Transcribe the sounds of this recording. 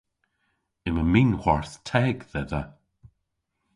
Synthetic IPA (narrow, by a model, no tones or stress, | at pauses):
ɪməminwaɹθtʰɛɡðɛðə